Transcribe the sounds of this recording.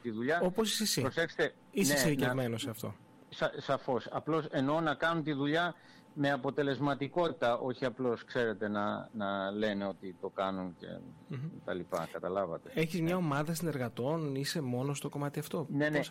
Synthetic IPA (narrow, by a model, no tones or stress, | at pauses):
t̪iðuʎɐo̞posisisipɾosexse̥t̪e | isesiɾicevmenoseɐft̪o̞̰ | sɐsɐfo̞sɐplo̞se̞no̞nɐkɐnunt̪iðuʎɐ | me̞ɐpo̞t̪e̞le̞zmɐt̪iko̞t̪i̥t̪ɐʔo̞çiɐplo̞skse̞ɾe̞t̪e̞nɐnɐle̞ne̞o̞t̪it̪o̞kɐnunce̞̰t̪ɐlipɐ̰kɐt̪ɐlɐvɐt̪ee̞çizmɲɐomɐðɐsine̞ɾɣɐt̪o̞nise̞mo̞no̞st̪o̞ko̞mɐt̪iɐft̪o̞nens